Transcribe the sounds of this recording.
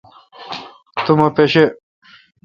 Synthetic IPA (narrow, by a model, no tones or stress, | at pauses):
t̪umɐpeɕe